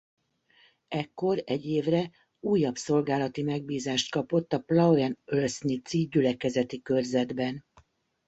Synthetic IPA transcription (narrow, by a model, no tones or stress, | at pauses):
ɛkːo̞rɛɟːeːvrɛ | uːjːɒbso̞lɡaːlɒt̪imɛɡ̚biːzaːʃt̪̚kɒpo̞t̪ːɒplɒwɛnølsnit̪siːɟylɛkɛzɛt̪ikørzɛd̪bɛn